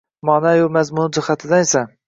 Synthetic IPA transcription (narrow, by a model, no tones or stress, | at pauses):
mɒnajʊmazmʊnɪd͡ʒɪhat̪ʰɪd̪anesa